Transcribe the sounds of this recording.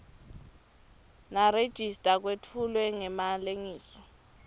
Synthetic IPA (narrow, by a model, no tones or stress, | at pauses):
nared̥ʒ̥ʱistʼak̬wetʰulwɛŋɛmaleŋiːsɔ